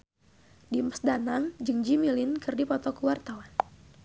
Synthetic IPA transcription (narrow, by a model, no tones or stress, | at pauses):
diməsdanaŋd͡ʒɨŋd͡ʒimilɪnkɨrdipɔt̪ɔkəwart̪awan